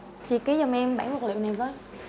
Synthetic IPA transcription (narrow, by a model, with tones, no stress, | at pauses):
t͡ɕi˨˩kːa˨˦zɔ˨˩mʔɛ˧mɓaː˧˩nvɔ˨˩k̚lḭ˧˨wna˨˩vəː˨˦j